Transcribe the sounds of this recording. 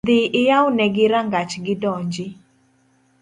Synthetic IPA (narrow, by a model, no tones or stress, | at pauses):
d̪ɪʔɪjawnɛɡɪɾaŋɡat͡ʃɡɪdɔɲd͡ʒɪ